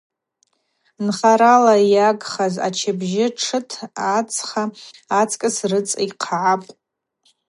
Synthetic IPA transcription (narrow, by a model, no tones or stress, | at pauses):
nχaɾalajaɡχaza̰t͡ʃʰabʒɪʈ͡ʂʰɨtʰat͡sʰχaːt͡sʰʼkʼɨsrɨt͡sʼiqʰaʕapʼ